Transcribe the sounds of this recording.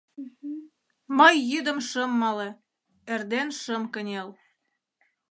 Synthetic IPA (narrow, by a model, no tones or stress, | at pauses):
mɤjːyd̪ə̆mʃə̆mːɑle | erd̪enʃə̆mkənʲel